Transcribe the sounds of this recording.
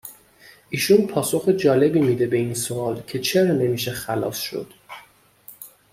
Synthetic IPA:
ʔiːʃunpʰɒːso̞xed͡ʒɒːle̞bimid̪e̞be̞insoɒːlcʰe̞t͡ʃʰe̞ɾɒːne̞miːʃe̞xælɒ̰ːsʃo̰d̪̥

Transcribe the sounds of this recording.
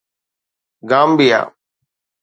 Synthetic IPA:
ɡaːmbija̰ː

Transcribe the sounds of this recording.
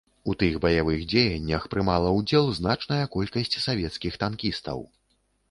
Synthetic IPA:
ut̪ɨɣbɐjavɨɣd͡zʲejɐnʲːɐxpɾɨmalˠɐwd͡zʲɛlˠznat͡ʂnɐjɐkɔlʲkɐsʲt͡sʲsavʲɛt̪skʲixt̪ankʲist̪ɐ̰w

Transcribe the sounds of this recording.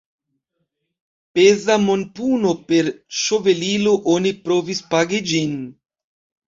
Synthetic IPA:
pezamonpunopeɾʃoveliloʔonipɾovispaɡid͡ʒin

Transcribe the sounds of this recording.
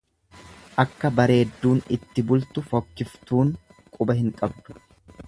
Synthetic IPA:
ʔɐkːɐbɐɾe̞ːd̪ːuːnɪt̪ːɪbʊlt̪ʊfɔkːɪft̪uːŋ | kʼʊbɐɦɪŋkʼɐb̚d̪ʊ̥

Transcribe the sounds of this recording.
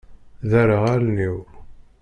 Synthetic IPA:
ðæɾəʁælniwɾ

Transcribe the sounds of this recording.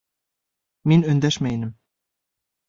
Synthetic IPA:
minɵnd̪æʃmæjnɘm

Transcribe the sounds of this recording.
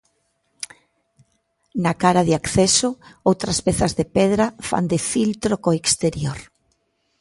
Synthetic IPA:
nakaɾaðɪakθɛsoowt̪ɾɐspɛθazðepɛðɾafa̰nd̪efilt̪ɾokoekst̪eɾjoɾ

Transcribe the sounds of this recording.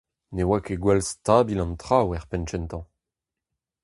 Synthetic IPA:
newakeɡwɛlstaːbilɑ̃nt̪χawɛʁpɛnt͡ʃɛnt̪ɑ̃

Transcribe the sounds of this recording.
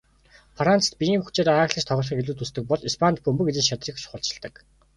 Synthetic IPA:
frant͡st̪̚pʲijiːŋxut͡ɕeːɾaːaːxɮə̆t͡ɕt̪ʰɔɣ̆ɮχĭːkɡeɮuːt̪ust̪ɘ̆k̚pɔɮispʰant̪̚pɵmbɵ̆ket̪ɘ̆t͡ɕʃat̪riːxt͡ɕχʊɬt͡ɕɪ̥̆ɮt̪ə̆k

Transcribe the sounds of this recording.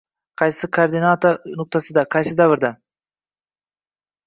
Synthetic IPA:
qʰɑjsɪkʰoːɾd̪ɪnat̪oɾnʊq̚t̪asɨd̪aqʰɑjsɪd̪avɨɾd̪a

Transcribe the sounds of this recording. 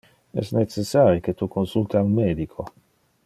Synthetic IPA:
ɛ̰snesesːaːɾiket̪ukonsult̪iaunmeːd̪ikʰo

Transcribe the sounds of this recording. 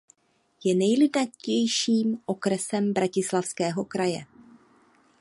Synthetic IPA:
jɛnɛjlɪdnacɛjʃiːmʔo̞kɾɛsɛmbɾacɪslafskɛːɦo̞kɾajɛ̰

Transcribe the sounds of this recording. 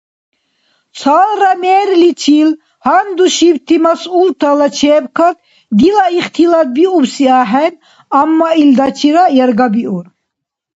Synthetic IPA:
t͡sʰaːlɾamɛːɾlit͡ʃʰil | hand̪uʃibt̪ʰimasult̪ʰalat͡ʃʰɛːbkʰad̪ | d̪ilaiχt̪ʰilad̪̚biubsiaɦɛn | amːaild̪at͡ʃʰiɾajɛɾɡabiuɾ

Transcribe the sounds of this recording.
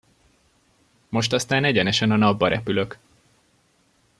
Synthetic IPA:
mo̞ʃt̪ɒst̪aːnɛɟɛnɛʃɛnɒnɒbːɒɾʔɛpylø̞k

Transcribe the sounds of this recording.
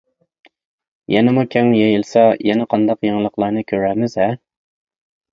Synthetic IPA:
jɛnɪmukʲʰɛŋjejilˠsɑjɛnɪqʰɑnd̪ɑqjeŋlˠəqlˠɑɾnɨkʲʰøɾæɾmɪzɛ

